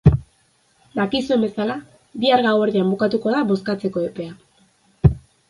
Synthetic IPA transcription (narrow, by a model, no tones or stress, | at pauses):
d̪akisue̞mbe̞sala | βiaɾɣaweɾðiambukat̪uko̞ðaβo̞skat͡se̞ko̞epe̞a